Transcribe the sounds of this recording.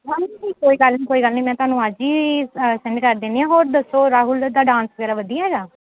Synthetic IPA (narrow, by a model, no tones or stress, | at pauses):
ɦaːiiːkoːiːɡəlnĩːkoːiːɡəlnĩːmɛ̃ːt̪ʊɦaːnũːad͡ʒiːsɪɳɖkəɾd̪eːniːãːɦoːɾd̪əsːoːɾaːɦʊld̪aːɖãːnsʋəɡɛːɾaːʋəd̪ijaːɦɛːɡaː